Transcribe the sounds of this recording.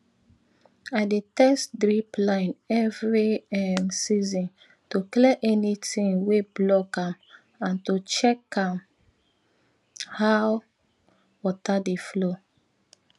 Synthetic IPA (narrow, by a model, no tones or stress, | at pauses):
aɪdetɛstdɹiplãɪ̃nɛvɹiɛmsizɔ̃n | toklɛʔɛnitĩŋweblɔkãm | ãntot͡ʃɛkãm | haw | wɔtadeflo